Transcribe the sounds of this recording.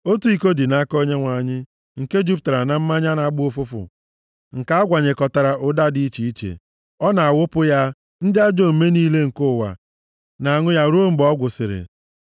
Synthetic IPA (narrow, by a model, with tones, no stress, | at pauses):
o˦tu˦i˨ko˦di˨na˦ko˦ɲe˦ŋʷa˨ɲɪ˦ | ŋ̩˨ke˦d͡ʒu˦p̚ta˨ɾa˨na˨m̩˦ma˦ɲa˦na˦ɡ͡bʊ˦o˦˨fʊ˦fʊ̰˨ | ŋ̩˨ka˦a˦ɡʷa˨ɲe˨kɔ˨ta˨ɾa˨ʔʊ˦da˦di˦i˦t͡ʃi˨i˦t͡ʃḛ˨ | ɔ˦na˨a˨wʊ˦pʊ˦ja˦ | n̩˦dɪ˦a˦d͡ʒo˦˨me˦niː˦le˦ŋ̩˨kʊ˦˨wa̰˨ | na˨ŋʊ˦ja˦˨ɾu˦o˦m̩˦bɔ˦ɡʷʊ˨sɪ˨ɾɪ̰˨